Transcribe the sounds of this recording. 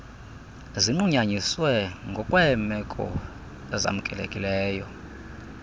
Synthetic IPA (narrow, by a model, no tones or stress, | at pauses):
ziŋ͡ǃuɲaɲiswɛŋɡʱɔkʼwɛmɛkʼɔ̰ | ɛza̰mukʼɛlḛkʼilɛːjɔ